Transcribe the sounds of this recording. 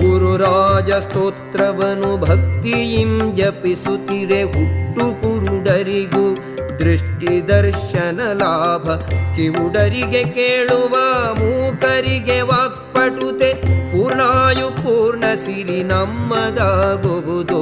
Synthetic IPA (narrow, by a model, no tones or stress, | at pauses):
kuɾuɾaːd͡ʒɐst̪oːt̪ɾɐʋɐnubʱɐk̚t̪ijimd͡ʒɐpisut̪iɾeɦuʈːukuɾɖɐɾiɡu | d̪ɾiʂʈid̪ɐɾʂɐnɐlaːbʱɐkiʋuɖɐɾiɡekeːɭuʋamuːkɐɾiɡeʋaːk̚pɐʈut̪epuːɾɳaːjupuːɾɳɐsiɾinɐmːɐd̪aːɡuɦud̪u